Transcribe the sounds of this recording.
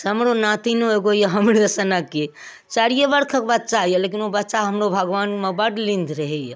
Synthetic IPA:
ɦəmɾonat̪inoeɡojəɦəmɾeəsənake | t͡ʃaɽijebəɾkʰəkbət̪̚ːt͡ʃaɦjəlekinobətːʃaɦəmɾobʱəɡʋanmebəʈlĩnd̪ʱɾəɦɛj

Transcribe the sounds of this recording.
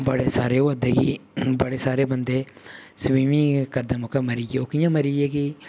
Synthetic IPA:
bəɽeːsaːɾeːoːəd̪eːkiːbəɽeːsaːɾeːbənd̪eː | sʋiːmĩːkəɾd̪eːmokeːməɾiːɡeoːkɪjãːməɾiːɡeːki

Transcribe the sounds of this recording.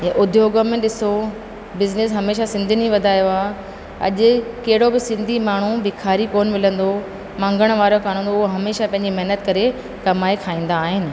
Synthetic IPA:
ãʔʊd̪ʱjoːɡəmẽʈɗɪso | bɪznɪsɦɐmeːʃ̬asɪ̃nd̪ʱinĩʋɐd̪ʱaːjoaː | ɐ̰ʄʊ̆kɐɦɪɽobɪsɪ̃nd̪ʱimaːɳ̤uʋɪkʰaːɾikoːnmɪlə̃nd̪o | mãːŋɡəɽ̃ʋaːɾokʰaːɽ̃ə̃nd̪oʊɦoɦɐmeːʃapɐ̃ɦɪ̃ɲd͡ʑimɐɦnət̪kɐɾe | kɐmaːekʰaːĩːn̆d̪aːɦɪnɪ̆

